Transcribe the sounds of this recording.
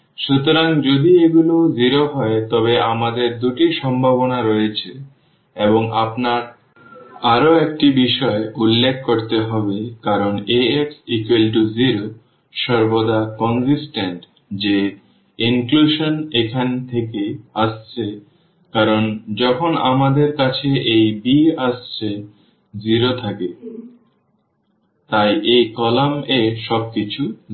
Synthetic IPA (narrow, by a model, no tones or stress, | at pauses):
ʃut̪oɾaŋd͡ʑod̪ieɡulod͡ʑiɾoɦɔet̪ɔβeamad̪eɾd̪uʈiʃɔmbʱabonaɾɔjet͡ɕʰe | eboŋapnaɾ | aɾoek̚ʈibiʃɔeulːekʰkːoɾt̪eɦɔbekaɾoneeksikwelʈ̬uziɾo | ʃɔɾbod̪akɔnsisʈeɳʈ | d͡ʑe | iŋkluʃonekʰant̪ʰekeast͡ɕʰe | kaɾond͡ʑɔkʰona̰mad̪eɾkat͡ɕʰeʔejbiast͡ɕʰe | d͡ʑiɾot̪ʰake | t̪ajʔejkɔlameʃɔb̚kit͡ɕʰu